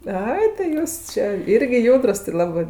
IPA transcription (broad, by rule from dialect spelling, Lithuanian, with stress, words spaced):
ˈɐɪ tɐɪ ˈjuːs t͡ʃʲeː ˈɪrʲɡʲɪ ˈjuːdrʊs tʲɪ lˠɐˈbɜ